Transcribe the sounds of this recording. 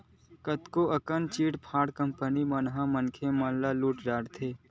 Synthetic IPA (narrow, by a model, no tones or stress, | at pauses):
kət̪koʔɐkənt͡ʃiːʈpʰaːɽkə̃mpənimɐnɦãmənkʰemɐ̃ːnlaluːʈɾaːɽt̪ʰeː